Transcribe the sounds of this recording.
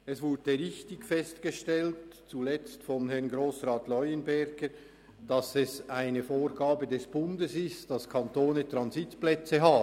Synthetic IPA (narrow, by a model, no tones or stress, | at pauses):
ɛsv̥ʊɐd̥əʁɪçtɪɡfɛstɡ̥əʃtɛltt͡sulɛt͡stfɔnɦɛʁnɡɾoːsʁaːtlɔʏənbɛɾɡ̥ə | d̥ɑsɛsaɪnəfoːɾɡaːbədɛsb̥ʊndəsɪstd̥ɑskʰɑntoːnətrɑnzɪtplɛt͡səɦaː